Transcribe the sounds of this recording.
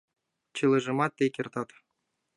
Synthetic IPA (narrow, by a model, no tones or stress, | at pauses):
t͡ɕɯlˠɤ̆ʐɤ̆mɑt̪ʲːekʲert̪ɑt̪